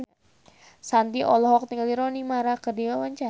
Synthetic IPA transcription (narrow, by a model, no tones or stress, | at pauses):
sant̪iʔɔlɔɦɔk̚niŋliɾɔnimaɾakərdiawaɲt͡ʃa